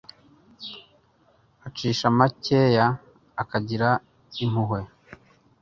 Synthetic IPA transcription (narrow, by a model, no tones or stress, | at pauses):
at͡ʃiːʃamaceːjaː | kaɟiɾa | im̥uɦwe